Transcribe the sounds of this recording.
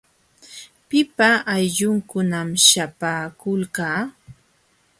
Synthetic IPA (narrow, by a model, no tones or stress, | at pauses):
pɪpaʔːjʎʊŋkʊnamʃapaːkʊlkaː